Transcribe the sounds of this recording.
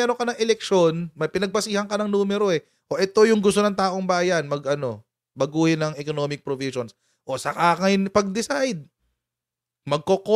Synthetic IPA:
ɛɾoŋkɐnɐŋʔɛlɛk̚ʃo̞nmɐjpɪnɐɡ̚pɐsiːhɐŋkɐnɐŋnuːmɛɾo̞ʔɛ | ʔo̞ʔɛt̪o̞jʊŋɡʊs̬t̪onɐŋt̪aːʔo̞ŋbaːjɐnmɐɡʔɐno̞ | bɐɡuːhɪnɐŋɛkonoːmɪk̚pɾoviʃons | ʔo̞sɐkaːkɐjnpɐɡ̚d̪ɪsajd̪̚ | mɐɡ̚koko

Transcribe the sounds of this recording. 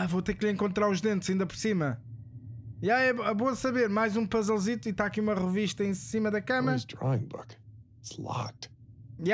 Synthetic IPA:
avot̪eɾkʎẽŋkõnt̪ɾaɾuʒðẽnt̪z̥ɐĩnd̪ɐpɔɾsimɐ | jaɛɛβõsɐβeɾmajzũpɐzɛlˠzit̪uit̪aɐkiumɐʁɨviʃt̪ɐẽsimɐðɐkɐmɐɾɐdɹɔ̰ɪ̰̃ŋbʊ̰k | slˠɑ̰t | j

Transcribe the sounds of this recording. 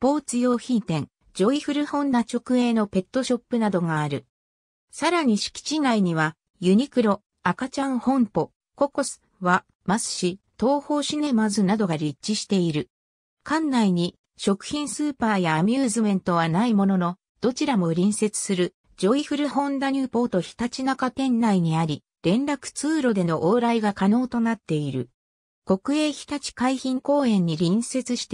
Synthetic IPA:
po̞ːt͡sɨjo̞ːçĩnt̪ẽ̞ŋ | d͡ʑo̞iɸɯ̟ɾɯ̟hõ̞nd̪at͡ɕo̞kɯ̟e̞ːno̞pe̞t̪ːo̞ɕo̞pːɯ̟nad̪o̞ɡaːɾɯ̟ | saɾaɲ̟iɕi̥kʲi̥t͡ɕinaiɲ̟iβ̞a | jɯ̟ɲ̟ikɯ̟ɾo̞ | akat͡ɕãɰ̃hõ̞mpo̞ | ko̞ko̞sɨ̥βa | mazɨ̥ɕi | t̪o̞ːho̞ːɕine̞mazɨnad̪o̞ɡaɾʲit͡ɕːiɕi̥t̪e̞iɾɯ̟ | kãnːaiɲ̟i | ɕo̞kɯ̟̥çĩɰ̃sɨːpaːjaːmʲjɯːzɨmẽ̞nt̪o̞βanaimo̞no̞no̞ | d̪̥o̞t͡ɕiɾamo̞ɾʲĩɰ̃se̞t͡sɨ̥sɨɾɯ̟ | d͡ʑo̞iɸɯ̟ɾɯ̟hõ̞nd̪aɲ̟ʲɯːpo̞ːt̪o̞çi̥t̪at͡ɕinakat̪ẽ̞nːaiɲ̟iaɾʲi | ɾẽ̞nɾakɯ̟̥t͡sɨːɾo̞d̪e̞no̞ʔoːɾaiɡakano̞ːt̪o̞nat̪ːe̞iɾɯ̟̰ | ko̞kɯ̟e̞ːçʲi̥t̪at͡ɕi̥kaiçĩŋko̞ːẽ̞ɲ̟ːiɾʲĩɰ̃se̞t͡sɨɕi̥t̪e

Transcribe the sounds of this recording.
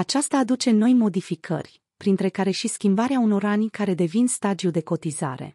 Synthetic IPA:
at͡ʃast̪aːd̪ut͡ʃe̞no̞jmo̞d̪ifikʰə̰rʲ | pɾint̪ɾe̞kaɾe̞ʃiskʲimbaɾeauno̞ɾanʲkaɾe̞d̪e̞vinst̪ad͡ʒ̪iud̪e̞ko̞t̪iza̰ɾe̞̰

